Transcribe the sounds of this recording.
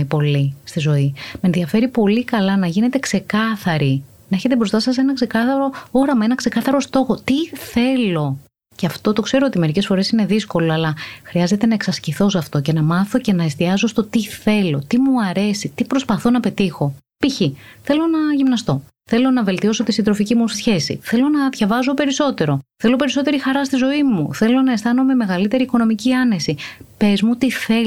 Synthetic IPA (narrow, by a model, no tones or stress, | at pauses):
ipo̞list̪izo̞ime̞nðiɐfe̞ɾipo̞likɐlɐnɐʝine̞t̪e̞kse̞kɐθɐɾi | nɐe̞çet̪ebɾo̞st̪ɐsɐs̬e̞nɐkse̞kɐθɐɾo̞o̞ɾɐmɐe̞nɐkse̞kɐθɐɾo̞st̪o̞xo̞t̪iθe̞lo̞ | ceɐft̪o̞t̪o̞kse̞ɾo̞ot̪ime̞ɾicesfo̞ɾe̞sine̞ðisko̞loɐlɐxɾiɐze̞t̪e̞nɐe̞ksɐsciθo̞s̬ɐft̪o̞ce̞nɐmɐθo̞ce̞nɐest̪iɐzost̪o̞t̪iθe̞lo̞t̪imuɐɾe̞sit̪ipɾo̞spɐθo̞nɐpe̞t̪ixo̞ | piçiθe̞lo̞nɐʝimnɐst̪o̞ | θe̞lo̞nɐve̞lt̪io̞so̞t̪isind̪ɾo̞ficimusisçe̞sḭθe̞lo̞nɐðʝɐvɐzo̞pe̞ɾiso̞t̪e̞ɾo̞θe̞lo̞pe̞ɾiso̞t̪e̞ɾixɐɾɐst̪izo̞imuθelo̞nɐest̪ɐno̞me̞me̞ɣɐlit̪e̞ɾiːko̞no̞miciɐne̞sipe̞zmut̪iθe